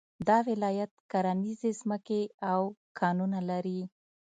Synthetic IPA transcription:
d̪ɑwɪlɑjat̪̚kaɾanizezməkeawkʰɑnunalaɾi

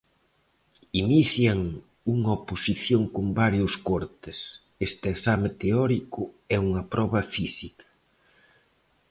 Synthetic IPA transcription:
iniθjɐŋ | uŋɐoposiθjoŋkombaɾjʊskɔɾt̪ɪs | est̪ɪeksamet̪eɔɾikʊ | ɛuŋɐpɾɔβɐfisikɐ̥

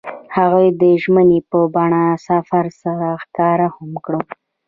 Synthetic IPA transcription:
haɣujd̪əʒmənepəbɑɳasafaɾsaɾaxkɑɾahʊmkɽə

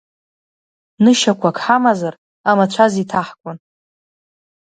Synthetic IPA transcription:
nɨʃakʷʰakʰʼħamazar | amat͡ʃʷʰazitʰaħkʷʼʊn

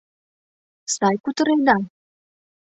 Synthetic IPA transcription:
sɑjkut̪ə̆ɾed̪ɑ

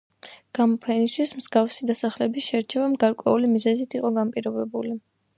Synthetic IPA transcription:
ɡ̥amɔpʰɛnist̪ʰwismzɡafsid̪asaχlɛbisʃɛɾt͡ʃʰɛvamɡaɾkʼwɛ̰ulimizɛzit̪ʰiqʼɔɡampʼiɾɔbɛbuli

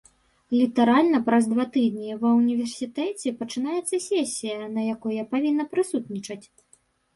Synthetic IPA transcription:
lʲit̪aɾalʲnɐpɾɐzd̪vat̪ɨd̪nʲɛvɐwnʲivʲɛrsʲit̪ɛt͡sʲɛpɐt͡ʂɨn̪ajɛt̪sːɐsʲɛsʲːijɐnɐjakɔjɐpavʲinːɐpɾɨsut̪nʲit͡ʂɐt͡sʲ

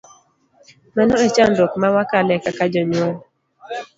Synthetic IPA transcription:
manɔɛt͡ʃandokmawakalɛkakad͡ʒɔɲwɔn

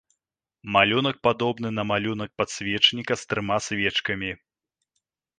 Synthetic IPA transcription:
malʲunɐk̚pad̪ɔbnɨnɐmalʲunɐk̚pat̪sʲvʲɛt͡ʂnʲikɐst̪ɾɨmasʲvʲɛt͡ʂkɐmʲi

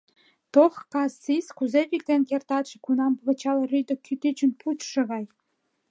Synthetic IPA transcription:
t̪oxkɑsːiskuzepʲik̚t̪enʲkert̪ɑt̪ʃĕkunɑmpɤβɤ̆t͡ɕɑlɤ̆rʲyd̪ə̆kʲʰyt̪yt͡ɕə̆npʰut̪ʃɤ̆ɣɑj

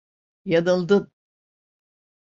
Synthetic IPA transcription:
jad̪ɯlˠd̪ɯm

